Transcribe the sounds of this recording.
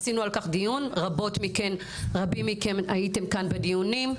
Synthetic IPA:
sinualkaχd̪ijunʁabo̞tmike̞n | ʁabimikemajite̞mkanbedijunim

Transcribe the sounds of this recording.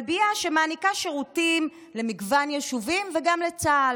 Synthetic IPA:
biaʃemaːnikaʃeʁutim | lemiɡvanjeʃuvimveɡamlet͡sa

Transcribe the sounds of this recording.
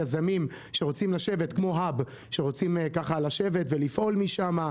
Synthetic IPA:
azamim | ʃe̞ʁo̞t͡simlaʃe̞ve̞tkmo̞ɦab | ʃe̞ʁo̞t͡simkaχalaʃe̞ve̞t̪ve̞lifʔo̞lmiʃama

